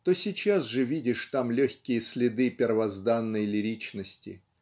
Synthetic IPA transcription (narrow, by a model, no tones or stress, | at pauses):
t̪osʲɪt͡ɕasʐɨvʲidʲɪʂt̪amlʲɵxʲkʲɪjəsʲlʲɪd̪ɨpʲɪrvɐzd̪anːəjlʲɪɾʲit͡ɕnəsʲtʲɪ̰